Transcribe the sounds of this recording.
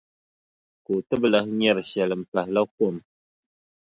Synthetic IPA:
ko˨tɨ˦bɨ˦la˦hɲɛ˦ɾɨ˨ʃɛ˨lɨ˨m̩˨pa˨hɪ˨la˦ko˦˨m

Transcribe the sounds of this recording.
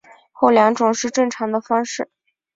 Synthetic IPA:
xo˥˩ʊljɑ˧˥ŋʈ͡ʂʊ˨˩ŋʂɻ̩˥˧ʈ͡ʂɤ˥˩ŋʈ͡ʂʰɑ˧˥ŋd̪ə˧fɑ˥ŋʂɻ̩˥˩

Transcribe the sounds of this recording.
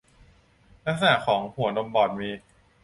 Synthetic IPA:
la˦˥k̚s̬a˧na˨˩kʰɔː˩˦ŋhu˨˩˦no˧mbɔː˨˩t̪̚miː˧

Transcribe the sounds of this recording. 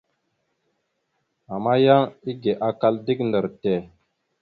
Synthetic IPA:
a˨ma˦ja˦ŋi˦ɡe˨ʔa˨ka˦ldi˦kndə˨ɾte˨

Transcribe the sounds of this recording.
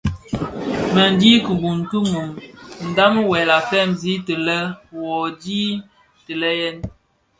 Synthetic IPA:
mə˨n˦di˦kə˨bu˨n̩˨tu˦mu˨mn̩˨da˦mə˦wɛ˨la˨fɛ˦˨mzi˦tə˨lə˦wɔ˨di˦ | tə˨lə˦jɛ˦n

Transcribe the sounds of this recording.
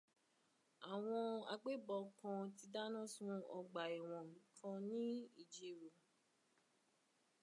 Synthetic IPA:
a˨w̃ɔ̃˧a˧ɡ͡be˦bɔ˧kã˧ti˧da˦nã˦˨sũ˦ɔ˧ɡ͡ba˨i˨w̃ɔ̃˨ñ̩˨˦kʰã˧nĩ˦i˦˨d͡ʒi˨ɾu˨

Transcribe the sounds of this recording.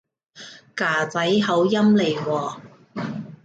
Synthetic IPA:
kaː˨˩t͡sɐ˨˥jɦɐ˨˥wjɐ˥mle˨˩jwɔː˨˩

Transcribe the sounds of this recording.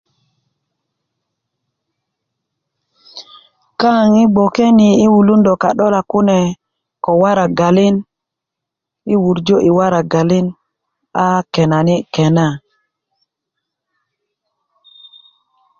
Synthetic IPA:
ka˦˨ŋi˦bo˨ke˦ni˨i˦wu˨lu˦ndo˨ka˨ɗo˦la˨ku˦nɛ˨ | ko˨wa˦ɾa˨ɡa˨li˦n | i˦wu˨ɾd͡ʒo˦ʔi˨wa˦ɾa˨ɡa˨li˦n | a˦kɛ˨na˨ni˦kɛ˨na˦˨

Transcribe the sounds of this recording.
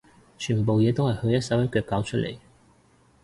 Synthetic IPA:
t͡ʃʰyː˨˩npo˨wjɛː˨˧t̪o˥whɐ˨jhɵ˧ɥjɐ˥t̚sɐ˨˥wjɐ˥kœː˧kːaː˨˥wt͡ʃʰɵ˥t̚lḛ˨˩j

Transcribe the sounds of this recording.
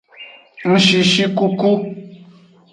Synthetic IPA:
ŋ̩˨ʃi˨ʃi˦ku˦ko˦

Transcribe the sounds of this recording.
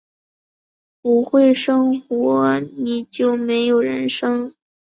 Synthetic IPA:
pu˧˥xwe˥˩ɪʂɤ˥ŋxɔ˧˥ni˨˩t͡ɕjo˥˩ʊme˧˥ɪjo˨˩ʊɻə˧˥nʂɤ˥ŋ

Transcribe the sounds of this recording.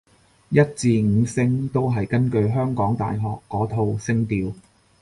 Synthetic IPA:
jɐ˥t̚t͡siː˧ŋ̩ː˨˧sɪ˥ŋt̪o˥wɦɐ˨jkɐ˥nkɵ˧ɥɦœː˥ŋkɔː˨˥ŋt̪a̰ː˨jɦɔː˨kːɔː˨˥t̪ʰo˧wsɪ˥ŋt̪iː˨˧w

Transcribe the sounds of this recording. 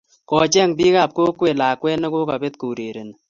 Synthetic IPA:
kɔ˨t͡ʃɛ˦˨ŋbiː˦ka˦˨p̚ko˦kwe˨laː˨kwɛ˦nɔ˦ko˦ka˨be˦t̪̚ko˨ɾe˨ɾe˨n˨

